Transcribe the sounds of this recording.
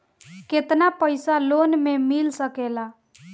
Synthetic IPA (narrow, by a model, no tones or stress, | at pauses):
ket̪napəjsalonmemilsəkela